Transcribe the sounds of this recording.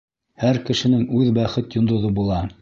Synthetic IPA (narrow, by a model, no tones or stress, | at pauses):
hæɾkɘ̆ʃɘ̆nɘŋʉðbæχɘt̪jŏnd̪ŏðɤbulˠɑ